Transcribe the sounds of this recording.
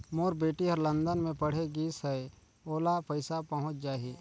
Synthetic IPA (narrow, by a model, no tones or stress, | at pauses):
moːɾbeːʈiɦəɾlə̃nd̪ənmẽpɐɽ̤eɡiːsɦɛe | oːlapəɪsapɐɦʊ̃t͡ʃd͡ʒaːiː